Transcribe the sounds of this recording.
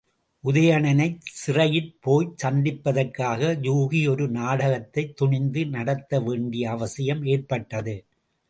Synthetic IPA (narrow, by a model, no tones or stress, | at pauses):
ʔʊðɐjɐɳɐnɐɪsɪrɐjɪlpoːjt͡ʃɐnd̪ɪpːɐðɐrkaːɣɐd͡ʒuːɣiɔɾɯnaːɽɐɣɐt̪ːɐɪt̪ːʊɳɪnd̪ɯnɐɽɐt̪ːɐʋeːɳɖɪjɐːʋɐsɪjɐmeːrpɐʈːɐðɯ